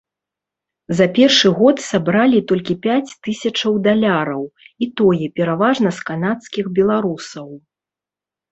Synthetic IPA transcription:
zɐpʲɛrʂɨɣɔt̪sabɾalʲit̪ɔlʲkʲipʲat͡sʲt̪ɨsʲɐt͡ʂɐwd̪alʲaɾɐwit̪ɔjɛpʲɛɾavaʐnɐskanat̪skʲixbʲɛlˠaɾusɐw

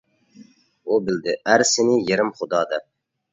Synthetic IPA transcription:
ubɪld̪ɪʔæɾsɪnɪjeɾɪmχʊd̪ɑːd̪ɑ

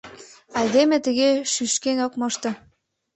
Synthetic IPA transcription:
ɑjd̪emet̪əɣeʃyʃkenokmɤʃt̪ɤ̆

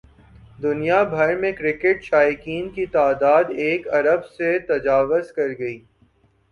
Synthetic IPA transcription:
d̪ʊnijabʱɐɾmẽkɾɪkɪʈʃaːɪkiːnkit̪aːd̪aːd̪eːkɐɾəbset̪ɐd͡ʒaːʋʊzkɐɾɡɐiː

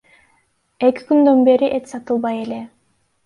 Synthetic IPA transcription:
e̞kʲi̥kynd̪ø̞nbe̞ɾiʔet̪sɑt̪ɯlˠβɑje̞le̞

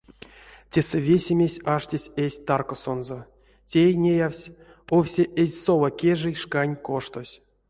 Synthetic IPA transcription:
tʲe̞sɛvʲesʲemʲesʲaʂtʲesʲesʲt̪arkoso̞nzo | tʲenʲejawsʲ | owsʲeʔezʲso̞lakʲe̞ʐɨjʂkanʲko̞ʂt̪osʲ

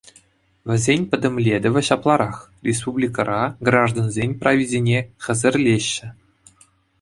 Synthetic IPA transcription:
vʲɘ̆zʲenʲpʲɘ̆d̪ʲɘ̆mlʲed̪ʲɘ̆ʋʲɘ̆ɕɑplˠɑɾɑχ | rʲes̬publʲikɑɾʔɑɡrɑʐd̪onzʲenʲprɐvʲedʲenʲeχʲɘ̆zʲɘ̆rʲlʲeɕːɘ̆

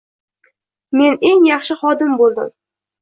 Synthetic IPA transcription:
me̞ne̞ŋjɑχʃɪχɒd̪ɪmbolˠd̪ɪ̰m

